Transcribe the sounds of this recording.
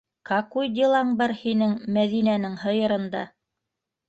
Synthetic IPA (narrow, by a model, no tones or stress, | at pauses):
kɑkujd̪ʲilˠɑɴbɑɾhinɘŋmæðinænɘŋhɤ̆jɤ̆ɾɤ̆nd̪ɑ̰